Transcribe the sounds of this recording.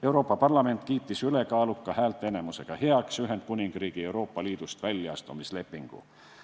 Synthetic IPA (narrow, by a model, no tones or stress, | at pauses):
e̞wɾo̞ːpːˑɑpɑrlɑme̞nt̪kiːt̪ːisyle̞kɑːlukːˑɑhæːlt̪ene̞muse̞ɡ̥ɑhe̞ɑksyɦend̪̚kunʲiŋɡ̥riːɡ̥ie̞uwɾo̞ːpːˑɑliːd̪̥ust̪vælʲːɑ̰st̪umisle̞pːˑiŋɡ̥ṵ